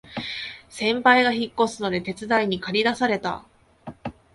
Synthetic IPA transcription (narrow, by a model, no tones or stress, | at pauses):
sẽ̞mpaiɡaçikːo̞sɨno̞d̪e̞t̪e̞t͡sɨd̪aiɲ̟ikaɾʲid̪asaɾe̞t̪a̰